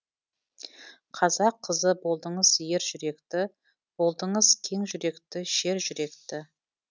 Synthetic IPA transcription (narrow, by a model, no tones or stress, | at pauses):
qʰɑzɑqʰːəzəbo̞lˠd̪əɴəzje̞ɾʒʏɾe̞kt̪ɪ | b̥o̞lˠd̪əɴəzkʲʰe̞ŋʒʏɾe̞kt̪ɪʃe̞ɾʒʏɾe̞kt̪ɪ